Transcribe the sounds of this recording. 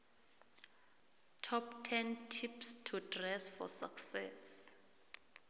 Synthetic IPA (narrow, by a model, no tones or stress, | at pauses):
tʰɔptʰɛntʰipstʰudrɛsfɔ̰saksɛs